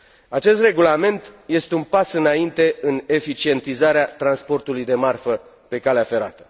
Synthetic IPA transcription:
at͡ʃe̞st̪re̞ɡulame̞nt̪je̞st̪e̞unpasɨnaint̪e̞ɨne̞fit͡ʃie̞nt̪izaɾeat̪ɾanspo̞rt̪ulujd̪e̞marfə | pe̞kaleafe̞ɾa̰t̪ə̥

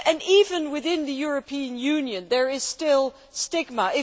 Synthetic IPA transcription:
ʔɨ̃nivɨ̃nwɨðɪ̃nðɨjʊɹɨpʰĩɨ̃njʉ̃njɨ̃nðə˞ɪz̥stɪlˠ | stɪɡ̚məɪ

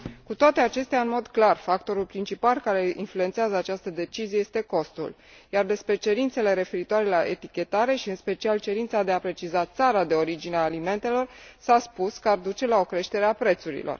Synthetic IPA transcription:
kut̪oat̪e̞at͡ʃe̞st̪eaɨnmo̞d̪klarfak̚t̪o̞ɾulpɾint͡ʃipalkaɾe̞ʔḭnflue̞nt̪seazəat͡ʃast̪əd̪e̞t͡ʃizijejest̪e̞ko̞st̪ṵl | jard̪e̞spɾe̞t͡ʃe̞ɾint̪se̞le̞ɾe̞fe̞ɾit̪oaɾe̞laʔe̞̰t̪ikʲe̞t̪aɾe̞ʃiɨnspe̞t͡ʃialt͡ʃe̞ɾint̪sad̪e̞apɾe̞t͡ʃizat̪saɾad̪e̞o̞ɾid͡ʒineaːlime̞nt̪e̞lo̞rsaspuskəard̪ut͡ʃe̞lao̞kɾe̞ʃt̪e̞ɾe̞apɾe̞t̪suɾḭlo̰r

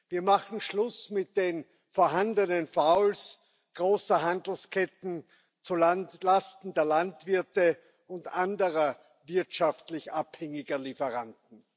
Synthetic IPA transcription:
viːɐmaχn̩ʃlʊsmɪt̚d̥eːn | foːɐɦandənənfaʊls | ɡ̥ʁoːsəɦandl̩skʰɛtn̩ | t͡sualastn̩deːɐlantv̥ɪɐtə | ʊntʔandəʁɐ | vɪɐtʃaftlɪçʔaphɛŋɪɡɐlifəʁantn̩

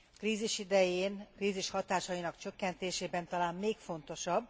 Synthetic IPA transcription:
kriːziʃid̪ɛjeːnkriːziʃhɒt̪aːʃɒjinɒkt͡ʃø̞kːɛnt̪eːʃeːbɛnt̪ɒlaːnmeːkfo̞nt̪o̞ʃɒbː

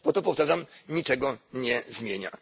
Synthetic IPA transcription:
pɔt̪ɔpɔft̪aʐamɲit͡ʂɛɡɔɲɛzmʲjeɲa̰

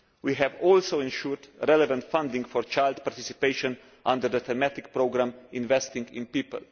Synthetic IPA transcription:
wiɦɛvɔlsoɪ̃nʃuɾdɾɛlɛvãnt̪fãnd̪ĩŋɡfɔɹt͡ʃaɪld̪paɾt̪isipeɪʃɔ̃n | ʔãnd̪əɾd̪əθɛmæt̪ik̚pɾoɡɾãmɪ̃nvɛst̪ĩŋɡɪ̰̃npiːpə̰l

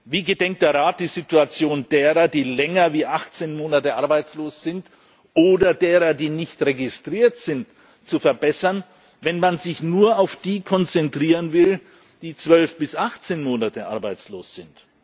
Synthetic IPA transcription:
viːɡədɛŋk̚td̥eːɐʁaːt̚d̥iːzɪtuat͡sjoːndeːʁɐdiːlɛŋɐviːʔaχt͡seːnmoːnatəʔaɐbaɪt͡sloːsz̥ɪnt | ʔoːdɐdeːʁɐdiːnɪçtʁeɡɪstʁ̥iːɐtz̥ɪnt | t͡sufɛɐbɛsɐn | vɛnmanzɪçnuːɐaʊfd̥iːkʰɔnt͡sɛntʁ̥iːʁənvɪl | d̥iːt͡sv̥œlfb̥ɪsʔaχt͡seːnmoːnatəʔa̰ɐbaɪt͡sloːsz̥ɪnt

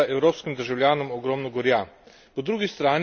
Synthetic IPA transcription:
aʔɛwɾoːpskimd̪əɾʒawljaːnɔmɔɡɾɔːmnɔɡɔɾja | pɔd̪ɾuːɡist̪ɾaːn

